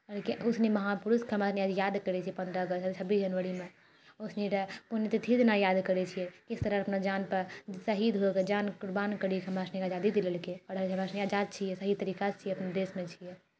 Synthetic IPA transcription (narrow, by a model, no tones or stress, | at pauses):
ɔɾkusnimɐɦapuɾuskʰəmasnijajad̪kəɾɛt͡ʃʰijɛpə̃nd̪ɾəəɡəst͡ʃʰəbisd͡ʒənʋəɽimẽ | usniʈəpunjet̪et̪ʰid̪najad̪kəɾɛt͡ʃʰijɛkist̪əɾəɾəpnad͡ʒanpəɾsəɦid̪ɦoked͡ʒankuɾbankəɾikʰəmasnikad͡ʒad̪id̪iləlkeɔɽɾd͡ʒʰəmasniad͡ʒad̪̚t͡ʃʰijɛsəɦit̪əɾiːkat͡ʃʰijeɐpnad̪esmẽt͡ʃʰijɛ